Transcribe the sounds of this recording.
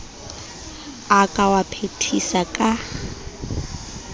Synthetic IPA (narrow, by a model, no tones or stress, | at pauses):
akʼawapʰetʰisakʼa